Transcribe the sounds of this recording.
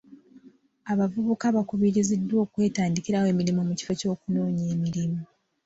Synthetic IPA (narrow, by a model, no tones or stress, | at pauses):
aβavuβukaβakuβiɾizidːwo̞ːkwe̞ːtaːndiciɾawe̞ːmiɾimomuci̥fo̞co̞ːkuno̞ːɲeːmiɾimu